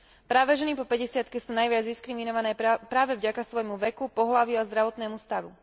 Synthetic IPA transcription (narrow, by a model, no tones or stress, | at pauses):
pɾaːʋɛʒɛnipɔpɛɟɛsɪat̪kɛsuːnajʋɪad͡zd̪iskɾiminɔʋanɛːpɾaːʋɛvɟakasʋɔjmuʋɛkupɔɦlaʋiuazd̪ɾaʋɔt̪nɛːmust̪aʋu